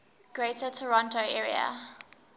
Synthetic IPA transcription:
ɡ̥ɹeɪtətʰəɹɔ̃ntoʊʔɛɹiə̰

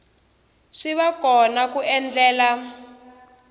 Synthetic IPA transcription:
ʂiβakɔnakuɛnd͡ɮɛːla

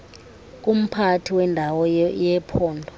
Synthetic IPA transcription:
k̬ʼum̩pʰatʰiwɛndʱawɔjɛpʰɔːndʱɔ

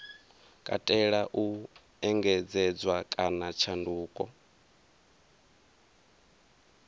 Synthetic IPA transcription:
kʼa̰tʼɛɺaʔu | ɛŋɡɛd͡zɛd͡zwakʼanat͡ʃʰanduːkʼɔ

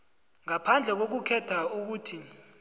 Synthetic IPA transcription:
ŋapʰand͡ɮʱɛk̬ok̬ukʰɛtʰauk̬uːtʰi

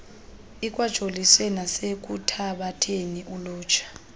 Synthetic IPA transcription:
ik̬ʼwḁʒ̥ʼʱoliswɛnasek̬ʼutʰaɓatʰeniʔuluːt͡ʃʰḁ

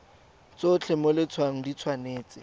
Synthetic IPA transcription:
t͡sot͡ɬʰɪmolɪt͡sʰwaŋ̩dit͡sʰwaneːt͡sʼɪ

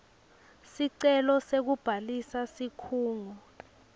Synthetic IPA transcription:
siǀɛlɔsek̬ub̥ʱalisasikʰuːŋɔ

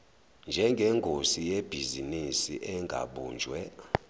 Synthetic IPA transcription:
nd͡ʒʱɛŋɡʱɛŋkʰʼosijeb̥ʱizinisḭʔɛŋɡʱa̰ɓuːnd͡ʒʱwɛ

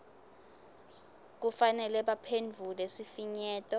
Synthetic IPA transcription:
k̬ufanɛlɛɓapʰend͡vʱulesifiɲɛːtʼɔ

